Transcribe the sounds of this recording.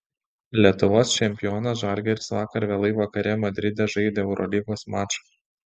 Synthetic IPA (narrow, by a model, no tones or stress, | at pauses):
lʲiɛt̪ʊʋoːst͡ʃʲɛmʲpʲɪjoːnɐsʒɐɾʲɡʲɛɪɾʲsʋɑːkɐɾʋʲɛːlˠɐɪʋɐkɐɾʲɛmɐd̪ʲɾʲɪd̪ʲɛʒɐɪd̪ʲeːɛʊɾʔɔ̰lʲiɡoːsmɑːt͡ʃɐ̥